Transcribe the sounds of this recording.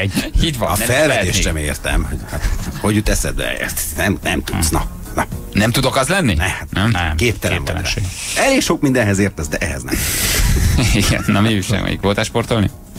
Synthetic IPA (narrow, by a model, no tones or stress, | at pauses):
hit̪ʋɒɒfɛlvɛt̪eːʃʃɛmeːrt̪ɛ̰mhoɟhat̪hoɟut̪ːɛsɛ̰d̪̚bɛ̰ɛ̰st̪nɛmnɛmt̪ut̪snɒ | nɒnɛmt̪ud̪okɒzlɛnːinɛhat̪nɛmkeːpt̪ɛlɛ̰mvɒ̰ | ɛleːɡʃo̞kmind̪ɛ̃nɦɛzeːrt̪ɛzd̪ɛʔɛɦɛ̰znɛ̰m | iɡɛ̰nːɒmiiʃɛ̰mɛ̰jikʋoːt̪aʃport̪olnḭ